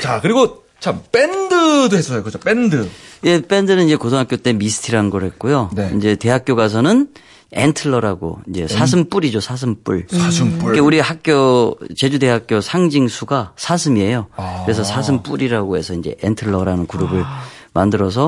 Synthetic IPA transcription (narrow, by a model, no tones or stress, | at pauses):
t͡ɕakɯɾiɡo | t͡ɕʰamp͈endɯdohes͈ʌsʌjokɯd͡ʑop͈endɯje̞p͈e̞ndɯnɯniɲd͡ʑe̞kos̬ʰoŋɦak͈jot͈e̞misʰɯ̥tʰiɾaɯnɡʌɾɦe̞t̚k͈ojonind͡ʑe̞te̞ɦak͈̚joɡas̬ʰʌnɯn | entʰɯɭːʌɾaɡo̰ind͡ʑe̞sʰasʰɯmp͈uɾid͡ʑosʰas̬ʰɯmp͈uɭsmkeuɾihak̚k͈jot͡ɕe̞d͡ʑude̞ɦak͈josʰaŋd͡ʑiŋsʰuɡasʰasʰɯmie̞jokɯɾe̞sʰʌsʰas̬ʰɯmp͈uɾiɾaɡoɦe̞sʰʌind͡ʑe̞̰ʔentʰɯɭːʌɾanɯnkuɾubɯɭ | mandɯɾʌs̬ʰʌ